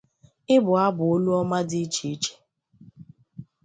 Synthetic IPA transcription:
ɪ˦bʊ˨a˦bʊ˨o˦lu˦ɔ˦ma˦dɪ˦t͡ʃi˨i˦t͡ʃe̥˨

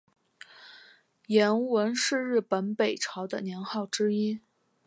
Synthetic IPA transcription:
jɛ˧˥nwə˧˥nʂɻ̩˥˧ɻ̩˥˩pə˧˥npe˨˩ɪʈ͡ʂʰɑ˧˥ʊd̪ə˧njɛ˧˥nxɑ˥˩ʊʈ͡ʂɻ̩˥i˥

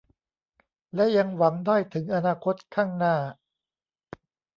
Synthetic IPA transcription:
lɛ˦˥ja˧ŋwa˩˦ŋdaː˥˩jt̪ʰɯ˩˦ŋʔa˧naː˧kʰo˦˥t̪̚kʰaː˥˩ŋnaː˥˩

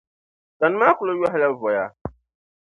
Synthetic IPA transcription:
ta˨n˦ma˦kʊ˨lo˦jɔ˦ɦa˦la˦vɔ˨ja˦

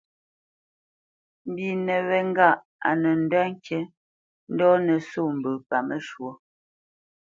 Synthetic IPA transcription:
m̩˨bi˨nɛ˨βɛ˨ŋ˦ɡa˦˨ʔ | a˨nə˨n̩˦da˦ŋ˦kjɛ˦ | n̩˦dɔ˦nə˨so˦˨m̩˨bə˨pa˨mə˦ʃwo˨

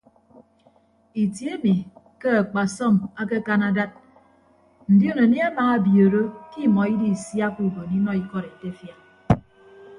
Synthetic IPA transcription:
i˨tje˦mi˨ | ke˦a˨k͡pa˨sɔ˦˨ma˦ke˦ka˦na˦da˦t̚ | n̩˨di˦o˦no˨ni˦a˦maː˨a˦bjo˨ɾo˦ki˦˨mɔ˨i˦di˦˨sja˦ku˦bo˨ni˦nɔ˦i˦kɔ˦ɾe˨te˦fja˨

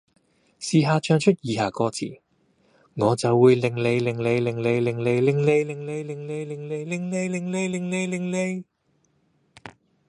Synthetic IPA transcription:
siː˨ɦaː˧t͡ʃʰœː˧ŋt͡ʃʰɵ˥t̚jiː˨˧haː˨kɔː˧t͡sʰḭː˨˩ | ŋɔː˨˧t͡sɐ˨wːuː˨˧jlɪ˨ŋle˨˧jlɪ˨˩ŋle˨˧jlɪ˨˩ŋle˨˧jlɪ˨˩ŋle˨˧jlɪ˨˩ŋle˨˧jlɪ˨˩ŋle˨˧jlɪ˨˩ŋle˨˧jlɪ˨ŋle˨˧jlɪ˨ŋle˨˧jlɪ˨ŋle˨˧jlɪ˨ŋle˨˧jlɪ˨ŋle˨˧j

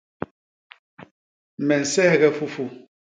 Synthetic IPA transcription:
mɛ˨n̩˨sɛ˦˨ɣɛ˦fu˦fu˦˨

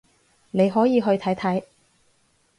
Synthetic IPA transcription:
ne˨˧jɦɔː˨˥jiː˨˧ɦɵ˧ɥt̪ʰɐ˨˥jt̪ʰɐ˨˥j

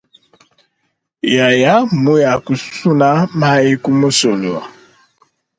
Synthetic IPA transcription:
ja˨ja˦˨mu˦ja˨ku˨˦su˦na˦ma˦i˦ku˦mo˦so˨lu˨a̰˨

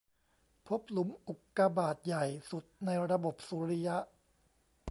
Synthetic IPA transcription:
pʰo˦˥p̚lu˩˦mʔu˨˩kːa˧baː˨˩t̪̚ja˨˩jsu˨˩t̪̚na˧jɾa˧bo˨˩p̚suː˨˦ɾi˦˥ja˦˥ʔ

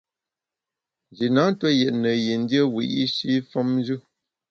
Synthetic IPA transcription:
nd͡ʒi˨na˨˦n˦twə˦jɛ˨ʔnə˨ji˨n̩˦djə˦wḭ˨ʔi˦ʃi˦fɔ˦mn˦d͡ʒʉ˦

